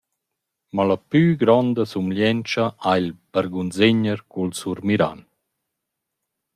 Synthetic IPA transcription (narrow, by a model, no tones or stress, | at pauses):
malapyɡɾɔnd̪asumljɛnt͡ʃaʔajlbaɾɡunzeɲəɾkulsuɾmiɾa̰n